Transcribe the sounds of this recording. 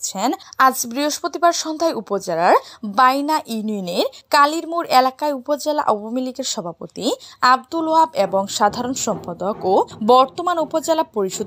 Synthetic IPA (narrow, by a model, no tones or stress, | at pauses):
t͡ɕʰenad͡ʑbɾiɦoʃpot̪ibaɾʃɔnd̪ʱaeupod͡ʑelaɾbajnaʔunioneɾkaliɾmuɾelakaeupod͡ʑela̰ʔɔbomiliɡeɾʃɔbʱapot̪iab̚d̪uluabeboŋʃad̪ʱaɾonʃɔmpad̪okobɔɾt̪omanupod͡ʑelapoɾiʃo